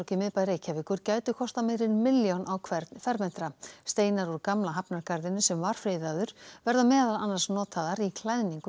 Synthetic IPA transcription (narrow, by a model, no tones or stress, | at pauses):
cɪmɪðpajɾeːjcʰavɪkʏɾ̥caːjt̪ʏkʰɔst̪ameɾɪnmɪljanʔawkʰvɛɾt̪kʰfvɛɾmɛn̥t̪ɾast̪eːjnaɾɔɾkamlaɦapnaɾkaɾðɪnʏsɛmvaɾ̥fɾeːjðaðʏɾ̥vɛɾðamɛːðalanːḁsnɔːt̪ʰaðaɾikʰlaðniŋkʏ